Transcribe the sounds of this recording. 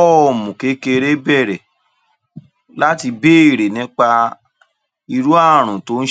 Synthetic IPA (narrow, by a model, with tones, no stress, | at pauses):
ɔ˦˨mũ˨ke˨˦ke˧ɾe˦bɛ˦˨ɾɛ˨ | la˦ti˧be˦i˦˨ɾe˨nĩ˦k͡pa˧ | i˧ɾu˦a˦˨ɾ̃ũ˨to˦n̩˦